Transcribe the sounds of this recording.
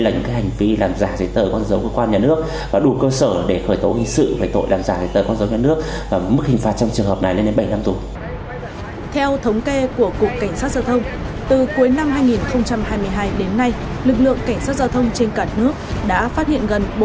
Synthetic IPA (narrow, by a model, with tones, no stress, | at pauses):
laː˨˩ɲɨ̰˧˥ŋkaː˨˦jha˨˩ŋ̟vi˧˦laː˨˩mzaː˧˩zə˨˦jt̪əː˨˩kɔ˧nzə˨˦wkəː˧kwaː˧nɲaː˨˩nɨ˦˥ək̚ | vaː˨˩ɗu˨˩kəː˧səː˧˩ɗe˧˩xəː˧˩jt̪o˨˦hï˨˩ŋ̟sɨ̰˧˨ve˨˩t̪o̰˧˨jlaː˨˩mzaː˧˩zə˨˦jt̪əː˨˩kwnzə˨˦wɲaː˨˩nɨ˦˥ək̚ | vaː˨˩˨m˦˥k̚hï̟˨˩faː˨t̚t͡ɕɔ˧wŋ͡mt͡ɕɨ˨˩əŋɦəː˨˩p̚na˨˩jle˧nɗe˨˦nɓa˧˩jna˧mt̪u˨˩ | t̪ʰɛ˧wt̪ʰə˨˦wŋ͡mke˧ku˧˩əku˨˩əkːa˧˩jŋ̟saː˦˥t̚zaː˧wt̪ʰə˧wŋ͡m | t̪ɨ˨˩ku˨˦jna˧mɦaː˧jŋi˨˩nxə˧wŋ͡mt͡ɕa˧mhaː˧jmɨ˧əjɦaː˧jɗe˨˦nːa˧j | lɨ˨˩k̬̚lɨ̰˧˨əŋka˧˩jŋ̟saː˦˥t̚zaː˧wt̪ʰə˧wŋ͡mt͡ɕe˧nkaː˧˩nɨ˦˥ək̚ɗa̰ː˧˥faː˦˥t̚hḭ˧˨ənɣə˨˩nɓo˨˦